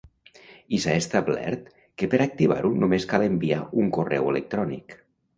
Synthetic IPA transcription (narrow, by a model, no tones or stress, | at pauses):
isaest̪ablɛ̰ɾt̪ | kepeɾak̚t̪iβ̞a̰ɾunumeskalembiauŋkorɛ̰welek̚t̪ɾɔnḭk